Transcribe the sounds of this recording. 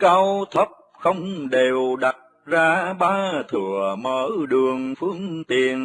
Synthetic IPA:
kaː˧wt̪ʰə˦˥p̚ | xə˧wŋ͡mɗe˨˩wɗa˨˩t̚zaː˧ɓaː˧t̪ʰɨ˧˩əməː˧˦ɗɨ˨˩əŋfɨ˧əŋt̪i˨˩ən

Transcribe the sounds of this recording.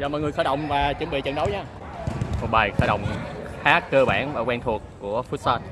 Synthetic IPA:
zɔː˧˩mɔ̰˧˨jŋɨ˨˩əjsaː˧˥jɗə̰˧˨wŋ͡mvaː˨˩t͡ɕɨ˨˩˦mɓḭ˧˨t͡ɕə̰˧˩nɗə˨˦wɲaː˧ | mo˨˩t̚ɓaː˨˩jsaː˧˦jɗə̰˧˨wŋ͡mxaː˦˥kːəː˧ɓa̰ː˧˩nvaː˨˩kwɛ˧nt̪ʰu˨˩əkːu˧˩əfu˦˥t̚saː˧t̚

